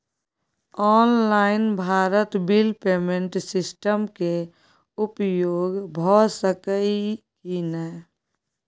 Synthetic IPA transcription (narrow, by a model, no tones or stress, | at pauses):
ɔːnlaːɪnbʱaːɾət̪bilpeːmẽɳʈsɪsʈəmke | ʊpjoːɡbʱɔsəkəi | kinɛ